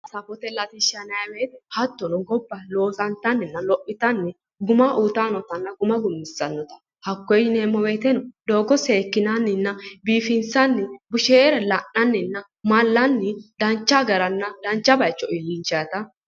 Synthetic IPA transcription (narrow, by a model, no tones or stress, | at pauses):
sɐfɔt̪ɛlɐt̪ɪʃɐnɐjɐweːt̪ɛhɐt̪ːɔnɔɡɔbːɐlo̞ːsɐnt̪ːɐnːɪnːɐlɔʔːɪt̪ɐnːɪ | ɡʊmɐʔut̪aːnɔt̪ɐnːɐɡʊmɐɡʊmːɪsːɐnːɔt̪ɐ̥ | hɐkːɔjneːmɔweːt̪ɛnɔd̪o̞ːɡɔseːkːɪnɐnːɪnːɐbiːfɪnsɐnːɪbʊʃeɾɛlɐnːɐnːɪnːɐ | mɐlːɐnːɪd̪ɐnt͡ʃːaɡɐɾɐnːɐd̪ɐnt͡ʃːɐbɐjt͡ʃːɔɪlːɪnt͡ʃːɐjɐt̪ɐ